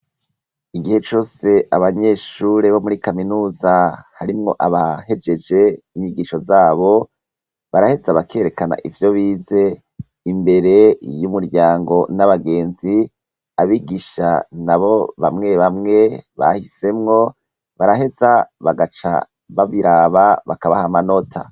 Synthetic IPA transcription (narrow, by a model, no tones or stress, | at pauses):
iɡihe̞t͡ʃo̞ːse̞ʔaβaɲe̞ːʃuɾe̞βo̞muɾikaminuːzahaɾimŋo̞̰ʔaβahe̞d͡ʒe̞d͡ʒe̞iɲiɡiʃo̞zaːβo̞ | βaɾahe̞zaβakʰeːɾe̞kana̰ʔivjo̞βiːze̞ | imbe̞ɾe̞jumuɾɟaːŋɡo̞naβaɡe̞ːnzi | aβiɡiʃa̰naβo̞βa̰mŋe̞βamŋe̞βa̰hise̞mŋo̞ | βaɾaɦe̞zaβaɡat͡ʃa̰ | βaβiɾaβaβakaβahamanotʰa̰